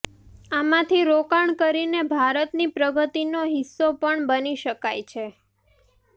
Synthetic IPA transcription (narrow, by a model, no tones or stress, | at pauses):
amãt̪ʰiɾokaɳkəɾinebʱaɾət̪nipɾəɡət̪inoɦɪsːopəɳbəniʃəkajt͡ʃʰe